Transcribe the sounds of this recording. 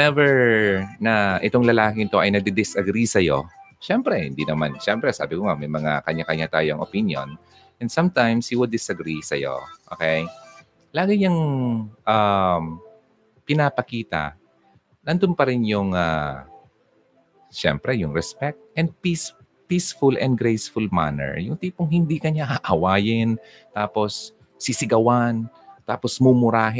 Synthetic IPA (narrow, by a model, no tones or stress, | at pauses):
nɛvɛɹnɐʔɪt̪oŋlɐlaːkɪŋɪt̪o̞ʔɐjnɐɡ̚d̪ɛd̪ɪsʔɐɡɾisɐjo̞̰ʃɛmpɾɛhɪ̰nd̪inɐmanʃɛmpɾɛsa̰ːbɪkoŋamɐjmɐŋakɐɲakɐɲat̪aːjoɐŋʔopinjo̞̰n | ʔɛ̃nd̪sɐmt̪ãjmshiwɪld̪d̪ɪsɐɡɾisɐjo̰ʔo̰ːkɛj | laːɡɪɲɐŋʔam | pɪnaːpɐkiːt̪ɐ̰ | nɐnd̪onpɐɾɪnjʊŋa̰ | ʃɛ̰mpɾɛjʊŋɾɛspɛk̚t̪̚ʔɛnd̪̚pis | pisfʊlʔɛ̰̃nd̪ɡɾejsfʊlma̰nɛ̰ɹjʊŋt̪iːpoŋɦɪnd̪ikɐɲaʔaʔɐwaːjɪn | t̪aːposː | ɪsɪɡɐwan | t̪aːposmʊmʊɾaːɦ